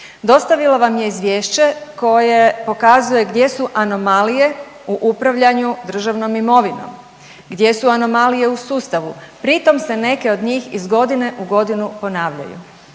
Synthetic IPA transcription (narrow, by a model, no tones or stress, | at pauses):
d̪o̞st̪aʋilˠaʋamje̞izʋje̞ːʃt͡ɕe̞ko̞jepo̞kaːzuje̞ɡd̪je̞suʔano̞malije̞ | uʔupɾaʋʎaɲud̪r̩ʒaʋno̞mimo̞ʋino̞̰m | ɡd̪je̞suano̞malije̞usuːst̪aʋupɾit̪o̞msene̞ke̞o̞d̪ɲiːxizɡo̞d̪ine̞ʔuɡo̞d̪inupo̞naːʋʎa̰jṵ